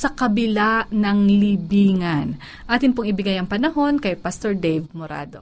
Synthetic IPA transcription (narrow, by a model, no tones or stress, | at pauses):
sɐkɐbɪlanɐŋlibiːŋɐn | ʔaːt̪ɪnpʊŋɪbɪɡajɐŋpɐnɐho̞nkɐjpɐst̪oɹd̪ɛjvmoɾa̰ːd̪o̞̰